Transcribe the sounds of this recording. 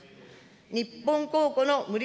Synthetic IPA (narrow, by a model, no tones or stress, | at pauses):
ɲipːõŋkoːkonomɯ̟ɾʲi